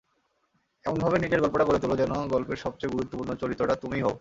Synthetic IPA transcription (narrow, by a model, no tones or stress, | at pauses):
ɛmonbʱabenid͡ʑeɾɡɔlpoʈakoɾet̪ulod͡ʑɛnoɡɔlpeɾʃɔb̚t͡ɕejɡuɾut̪ːopuɾnot͡ɕoɾit̪ːɾoʈat̪umiɦo̰